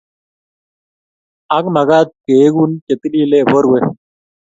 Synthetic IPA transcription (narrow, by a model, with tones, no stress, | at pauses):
a˦k̚ma˨ɣa˦t̪̚ke˨˦ɡu˦nt͡ʃe˨t̪i˦li˦le˦˨bo˦ɾwe˦